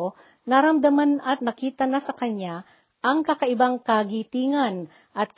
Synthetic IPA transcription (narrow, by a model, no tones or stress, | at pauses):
naɾɐmd̪ɐmanɐt̪̚nɐkiːt̪ɐnɐsɐkɐɲa | ʔɐŋkakɐʔɪbaŋkɐɡit̪iːŋɐn | ʔɐt̪̚k